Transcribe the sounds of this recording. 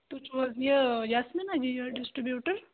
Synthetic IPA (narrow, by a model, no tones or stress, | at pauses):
t̪ut͡ʃʋənjəjasminad͡ʑijəɖisʈɾibjuʈəɾ